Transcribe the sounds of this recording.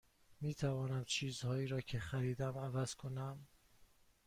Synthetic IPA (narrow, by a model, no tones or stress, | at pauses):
miːt̪ʰævɒːnæmt͡ʃʰiːzhɒːiːɾɒːcʰexæɾiːd̪æmævæz̥kʰonæm